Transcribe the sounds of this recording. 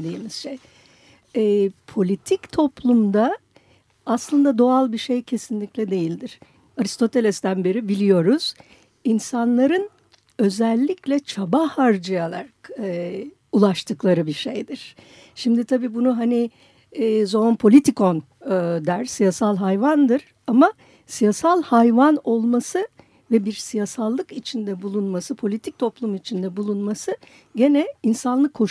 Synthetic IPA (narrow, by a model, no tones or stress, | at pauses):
d̪iːmiz̥ʃej | ɛːpʰo̞lʲit̪ʰict̪ʰo̞plˠumd̪aː | slˠɯnd̪ad̪o̞alˠbiʃe̞jcʰe̞sinlʲiclʲɛd̪e̞jilʲd̪iɾ̥ | aɾist̪o̞t̪ʰe̞lʲɛst̪ænbe̞ɾibilʲijo̞ɾuz̥ | insanlˠaɾɯn | ø̞zɛlʲːiclʲɛt͡ʃʰabahaɾd͡ʒajalˠa̰ɾakː | ulˠaʃt̪ʰɯklˠaɾɯbiʃe̞jd̪iɾ̥ | ʃimd̪it̪ʰabiːbunuɦaniː | zonpʰo̞lʲit̪ʰikʰon | d̪æɾ̥sijasalˠɦajvand̪ɯɾ̥ | ama | sijasalˠhajvano̞lˠmasɯ | vɛbiɾsijasalˠːɯkit͡ʃʰind̪ɛbulˠunmasɯpʰo̞lʲit̪ʰic̚t̪ʰo̞plˠumit͡ʃʰind̪ɛbulˠunmasɯ | ɟe̞nɛinsanlˠɯkʰːo̞ʃ